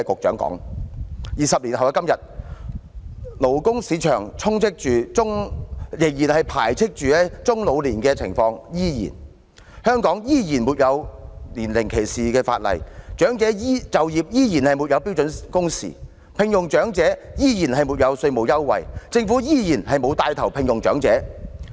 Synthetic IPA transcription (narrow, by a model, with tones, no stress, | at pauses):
kʊ˨k̚t͡ʃœ̰ː˨˥ŋkɔ̰ː˨˥ŋ | jiː˨sɐ˨p̚liː˨˩nhɦɐ˨wkɐ˥mjɐ˨t̚ | lo˨˩wkʊ˥ŋsiː˨˧˥t͡ʃʰœː˨˩ŋt͡sʰʊ˥ŋt͡sʰɪ˥k̚t͡ʃyː˨t͡sʊ˥ŋjɪ˨˩ŋjiː˨˩nhɐ˨jpʰa̰ː˨˩jt͡sʰɪ˥k̚t͡ʃyː˨˧lɛ˥t͡sʊ˥ŋlo˨˧wliː˨˩nkɛ˧t͡sʰɪ̰˨˩ŋfɔː˧ŋjiː˥jḭː˨˩n | hœː˥ŋkɔː˨˥ŋjiː˥jiː˨˩nmuː˨t̚jɐ˨˧wliː˨˩nlɪ˨˩ŋkʰe˨˩jsiː˨kɛː˧fa̰ː˧t̚lɐ̰˨˩jt͡ʃœː˨˥ŋt͡sɛː˨˥jiː˥t͡sɐ˨wjiː˨p̚jiː˥jiː˨˩nhɐ˨jmuː˨t̚jɐ˧wpi˥wt͡sɵ˨˧˥nkʊ˥ŋsḭː˨˩ | pʰɪ˧ŋjʊ˨˩ŋt͡ʃœː˨˥ŋt͡sɛː˨˥jiː˥jiː˨˩nɦɐ˨jmuː˨t̚jɐ˨˧wsɵ˧ɥmo˨˩wjɐ˥wwɐ̰˨˩jt͡sɪ˧ŋfuː˨˥jiː˥jiː˨˩nhɐ˨jmo˨˧wt̪aː˧jt̪ʰɐ˨˩wpʰɪ˧ŋjʊ˨˩ŋt͡ʃœ̰ː˨˥ŋt͡sɛː˨˥